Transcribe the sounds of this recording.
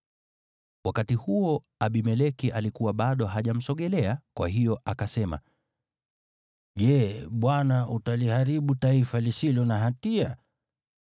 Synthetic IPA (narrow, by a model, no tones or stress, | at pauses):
wakatihuɔ | aɓimɛlɛkiʔalikuwaɓaɗɔɦaʄam̩sɔɠɛlɛakwa̰ɦijɔʔakasɛma̰ | ʄɛɓwanaʔutalihaɾiɓutaifalisilɔnaɦatia